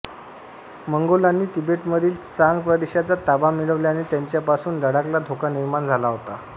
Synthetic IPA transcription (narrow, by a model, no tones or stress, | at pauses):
məŋɡolanːiːt̪ibeʈməd̪ʱiːlsaŋɡpɾəd̪eɕat͡sat̪abamiɭəʋljanet̪jaɲt͡ɕjapasuːnd̪əɽaklad̪ʱokaniɾmand͡zʱalaɦot̪a